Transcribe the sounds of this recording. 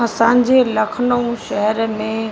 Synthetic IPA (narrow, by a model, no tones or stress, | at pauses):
ə̃sãːɲd͡ʑʱelɐkʰəɳəũʃɛɦɛɾmẽ